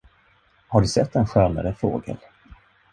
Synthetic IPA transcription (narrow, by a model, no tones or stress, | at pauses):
haɖɵsɛt̪ʰːɛnɧœːna̰ɾəfɾo̰ːɡə̰l